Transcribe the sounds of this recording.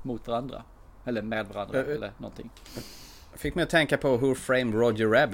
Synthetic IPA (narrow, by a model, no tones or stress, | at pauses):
mʊt̪vaɾand̪ɾa̰ | ɛlːəmeːd̪vaɾand̪ɾaɛlːə̰nɔ̰nt̪ʰɪ̰ŋ | fɪkːmɛɪjɔt̪ʰɛŋkapʰɔɦɵɾfɾeɪmɾɔd͡ʒəːæb